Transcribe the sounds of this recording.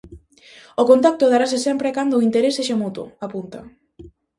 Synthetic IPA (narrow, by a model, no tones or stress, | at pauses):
okont̪ak̚t̪oðaɾasesɛmpɾekand̪oːint̪eɾeseʃemut̪o̰apunt̪a